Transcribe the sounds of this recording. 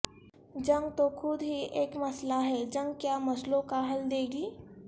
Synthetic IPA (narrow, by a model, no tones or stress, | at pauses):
d͡ʒɐ̃ŋɡt̪okʰʊd̪ɦieːkmɐslaɦɛːd͡ʒɐ̃ŋɡ̚kjamɐslõkaɦɐld̪eːɡiː